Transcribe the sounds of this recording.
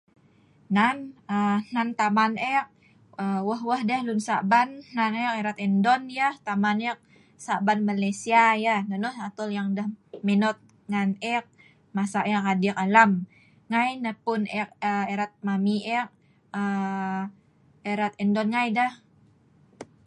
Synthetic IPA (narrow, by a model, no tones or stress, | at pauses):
nanən̥ant̪amanɛk̚ | əwəhwəhdəhlunsabannanɛk̚eɾat̪ɛndɔnjəht̪amanɛk̚ | sabanmalesiajahnənɔhat̪ɔljaŋdəhmenɔt̪̚ | ŋanɛk̚ | masaʔɛk̚adik̚alam | ŋajnəhpʊnɛk̚əeɾat̪̚mamiʔɛk̚ | ə | eɾat̪ɛndɔnŋajdəh